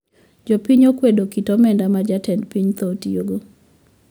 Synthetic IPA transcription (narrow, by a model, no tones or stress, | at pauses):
d͡ʒopiɲokwedokitɔmɛndamad͡ʒatʰɛndpiɲt̪otioɡo